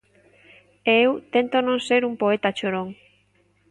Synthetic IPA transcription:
eewt̪ent̪onõŋseɾumpoet̪at͡ʃoɾoŋ

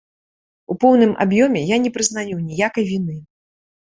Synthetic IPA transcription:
upɔwnɨmʔa̰bjɔmʲɛjanʲɛpɾɨznajunʲijakɐjvʲinɨ

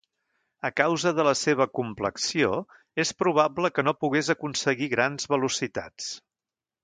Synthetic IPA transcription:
əkawzəðələseβ̞əkumpləksio | espɾuβ̞apləkənopuɣezəkunsəɣiɣɾanzβəlusit̪a̰t͡s

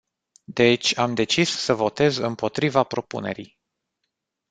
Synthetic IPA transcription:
d̪e̞t͡ʃʲamd̪e̞t͡ʃisːəvo̞t̪e̞zɨmpo̞t̪ɾivapɾo̞pune̞̰ɾij

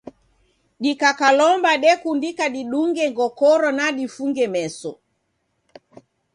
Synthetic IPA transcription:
ɗikakalɔmbaɗɛkundikaɗiɗuŋɡɛŋɡɔkɔɾɔnaɗifuŋɡɛmɛsɔ

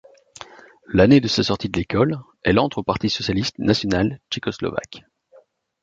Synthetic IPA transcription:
laned̪əsasɔʁt̪id̪əlekɔl | ɛlɑ̃t̪χopaʁt̪isɔsjalist̪nasjɔnalt͡ʃekɔslɔ̰va̰k

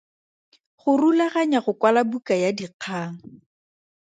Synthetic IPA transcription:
χʊrulaχaɲaχʊkwalabukajadiq͡χʰaːŋ̩

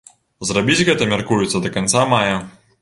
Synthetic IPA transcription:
zrabʲid͡zʲɣɛt̪ɐmʲarkujut̪sːɐd̪ɐkant̪samajɐ

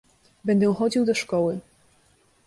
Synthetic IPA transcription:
bɛnd̪ɛw̃xɔd͡ʑiwd̪ɔʂkɔwɘ

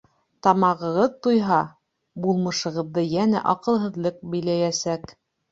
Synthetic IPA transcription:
t̪ɑmɑʁɤ̆ʁɤðt̪ujɦɑ | bulˠmɤ̆ʃɤ̆ʁɤ̆ðːɤjænæ̰ʔɑqɤ̆lˠɦɤ̆ðlˠɤq̚bɘ̆jlæjæsæk

